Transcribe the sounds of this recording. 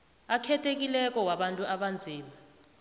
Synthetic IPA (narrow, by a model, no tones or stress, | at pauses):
akʰɛtʰek̬ilɛk̬ɔwaɓantʼuʔaɓand͡zʱiːma